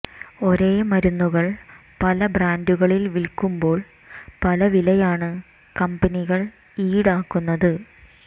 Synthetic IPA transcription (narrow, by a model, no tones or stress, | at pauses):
o̞ɾe̞ːmɐɾunːuɣɐɭ | pɐlɐbraːnduɣɐɭilʋilkumbo̞ːɭ | pɐlɐʋilɐjaːɳɨ | kɐmbɐniɣɐɭ | iːɽaːkːunːɐðɨ